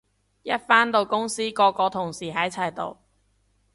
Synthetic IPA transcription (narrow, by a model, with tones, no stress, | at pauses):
jɐ˥t̚faː˥nt̪o˨wkʊ˥ŋsiː˥kɔː˧kɔː˧t̪ʰʊ˨˩ŋsiː˨˩ɦɐ˨˥t͡sʰɐ˨˩jt̪o̰˨w